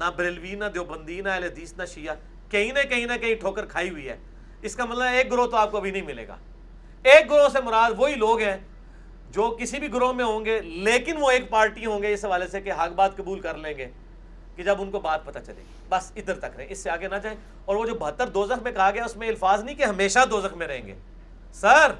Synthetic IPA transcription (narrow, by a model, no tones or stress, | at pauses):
nabɾeːlʋiːnad̪joːbə̃nd̪iːnaɛled̪iːsnaʃijaː | kɐɦĩnekɐɦĩnɐkɐɦĩʈʰoːkəɾkʰaːiɦʊiɦɛ̰ː | ɪskamɐt̪ləbeːk̚ɡʊɾoːt̪oaːp̚koɐbʱinɐ̃ɦĩmɪlḛːɡa̰ː | eːk̚ɡʊɾoːsemʊɾaːd̪ʋoːɦiloːɡɦɛ̃ː | d͡ʒoːkɪsibʱiɡʊɾoːɦmẽɦõːŋɡeleːkɪnʋoeːkpaːɾʈiɦõːŋɡeɪsɦɐʋaːlesekeɦɐkbaːd̪kɐbuːlkɐɾlẽːŋɡeː | ked͡ʒɐbʊnkobaːt̪̚pɐt̪at͡ʃɐlḛː | bɐsɪd̪əɾt̪ɐkɾɐɦḛ̃ɪsːeaːɡenat͡ʃaːe | ɔːɾʋod͡ʒoːbɐɦət̪ːəɾd̪oːzəxmẽkʰaaɡjaʊsmẽɪlfaːznɐɦĩkeɦɐmeːʃad̪oːzəxmẽɾɐɦḛ̃ːŋɡḛː | sɐɾɾ